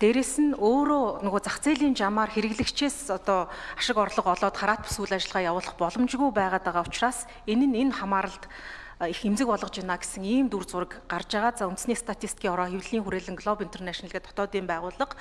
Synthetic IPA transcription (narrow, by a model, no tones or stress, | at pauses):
t̪eːɾeːsɘ̆noːɾoːnʊɣoːt͡saχt͡sʰeːɮiːnt͡ɕamaːrxeɾɘ̆ɣɮɘ̆kt͡ɕʰeːsɔt̪ɔːaʃɪ̆kɔrɮɞ̆qɔɮɔːt̪χaɾaːt̪̚pʰu̥suɮat͡ɕɪ̆ɮʁaːjawʊːɮɞ̆χpɔɮɞ̆mt͡ɕɣujpæːʁaːt̪aʁaːʊ̥t͡ɕraːs | enɘ̆nenχamaːɾə̆ɬt̪ | ixemt͡sɘ̆k̚pɔɮɞ̆qt͡ɕɪnaːɡe̥sɘ̆ŋiːmt̪urt͡sʊrə̆kɢart͡ɕaːʁaːt̪̚t͡saːunt̪̆sniːst̪ʰat̪ʰist̪̚kʰʲiːŋɔɾɔːxewɮiːŋxuɾeːɮɘ̆ŋɡɮɔpint̪ʰernæʃnɮɣeːt̪ʰɔ̥t̪ɔːt̪iːmpæːʁʊːɮə̆q